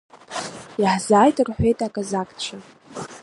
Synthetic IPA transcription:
iħzaːjtʼrħʷejtʼakʼazakʼt͡ʃʷʰa

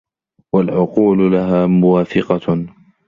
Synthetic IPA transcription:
walʕʊquːllaɦaːmʊwaːfɪqɑ

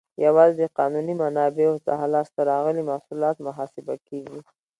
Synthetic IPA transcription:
jawɑzed̪əqɑnunimanɑbeoza̰ɦalɑst̪aɾɑɣəlimahsulɑt̪mʊɦɑsɪba̰keɡi

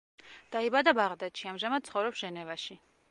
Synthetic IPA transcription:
d̪̥aibad̪abaʁd̪at̪ʃiamʒamad̪̥̚t̪sχɔvɾɔpsʒ̥ɛnɛvaʃi

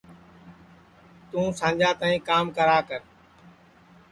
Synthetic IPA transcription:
t̪ũːsãːɲd͡ʒaːt̪ãːĩːkaːmkəɾaːkəɾ

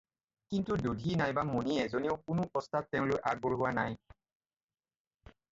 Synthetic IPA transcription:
kintudodʱinajbamoniɛzoniʊkʊnʊpɔstatːɛʊ̃lojʔa̰ɡ̚boɹɦʊwanaj

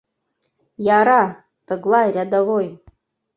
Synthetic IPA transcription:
jaːɾa | tʼɨɡlˠajrʲad̪avoj

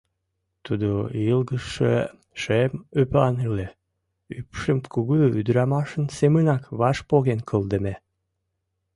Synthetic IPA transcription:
t̪ud̪ojilɣəʃʃə̰ | ʃemøplɑnele | ypʃəmkʰuɣuyd̪ɾɑmɑʃənsemənɑkβɑʃpoɣenkʰəld̪əme

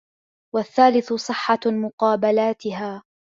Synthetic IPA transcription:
waθːaːlɪθʊsˤɨħːɑmʊqɑːbalaːt̪ɪɦaː

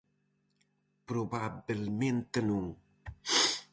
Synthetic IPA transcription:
pɾobabilment̪ənuŋ

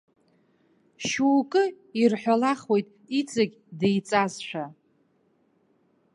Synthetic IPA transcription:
ʃuːkʼɨ | irħʷᶣalaχwe̞jtʼ | it͡sʼaɡʲdejt͡sʼazʃʷᶣa

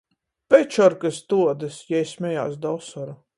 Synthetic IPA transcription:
pɛt͡ʃɔɾkɨst̪uɔd̪ɨsjɛjsʲmʲɛja̰ːsd̪ɔsɔɾu

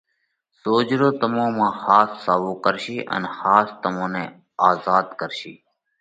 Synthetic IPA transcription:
soːd͡ʒɾoːt̪əmõːmãːxaːsːaːʋoːkəɾʃiːʔə̰nxaːst̪əmõːnẽː | aːzaːd̪kəɾʃḭː

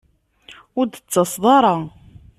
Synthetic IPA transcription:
ʊɾd̪ət͡sːɑsˤðˤɑɾˤɑ

